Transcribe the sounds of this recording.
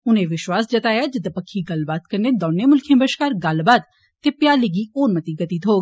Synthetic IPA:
ʊnẽːʋɪʃwaːsd͡ʒət̪aːjaːd͡ʒɪd̪pəkʰːiːɡəlbaːt̪kəɾneːd̪oːneːmʊlkʰjẽːbəʃkaːɾɡəlbaːt̪ː | eːpjaːleɡiːoːnmət̪iːɡət̪it̪ɦoːɡ

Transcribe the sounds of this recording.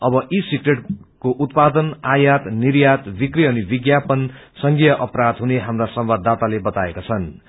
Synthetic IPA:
ʌbʌʔisikreʈ | koʔut̪pad̪ʌnajat̪niɾjat̪bikriʌnibiɡjapʌn | sʌŋɡijʌʔʌpɾad̪ɦuneɦamrasʌmbad̪ːat̪alebʌt̪aekat͡sʰʌn

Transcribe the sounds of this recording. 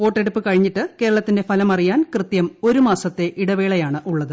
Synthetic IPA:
o̞ːʈːeɽupːɨkɐɻiɲːiʈːɨke̞ːɾɐɭɐt̪ːinde̞fɐlɐmɐrijaːnkrɨt̪jɐmo̞ɾumaːsɐt̪ːe̞ʔiɽɐʋeːɭɐjaːɳɨʔuɭːɐðɨ

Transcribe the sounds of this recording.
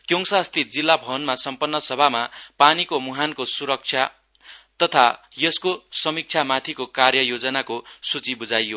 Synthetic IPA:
kjoŋsast̪it̪̚d͡zilːabʱʌnmasʌmpʌnːʌsʌbʱamapanikomuɦankosuɾʌk̚t͡sʰja | t̪ʌt̪ʰajʌskosʌmik̚t͡sʰjamat̪ʰikokarjʌjod͡zʌnakosut͡sibud͡zajːo

